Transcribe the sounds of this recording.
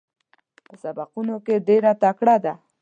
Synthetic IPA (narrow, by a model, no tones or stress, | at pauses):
pəsabaqunokeɖeɾat̪akɽad̪a